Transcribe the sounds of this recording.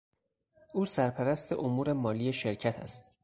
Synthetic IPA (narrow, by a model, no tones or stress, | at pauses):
ʔuːsæɾpʰæɾæst̪ʰe̞̰ʔomuːɾe̞mɒːlijeʃe̞ɾcʰæt̪ʰæ̰st̪